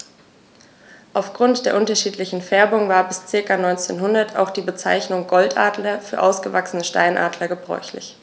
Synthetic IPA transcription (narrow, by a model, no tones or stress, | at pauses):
ʔaʊfɡ̥ʁʊntd̥eːɐʔʊntɐʃiːtlɪçn̩fɛɐbʊŋvaːɐbɪst͡sɪɐkanɔʏnt͡sḛːnɦʊndɐtʰa̰ʊxd̥iːbət͡sa̰ɪçnʊŋɡɔltʔa̰ːdlɐfyːɐʔa̰ʊsɡ̥əvaksənəʃta̰ɪnʔa̰ːdlɐɡəbʁɔ̰ʏçlɪ̰ç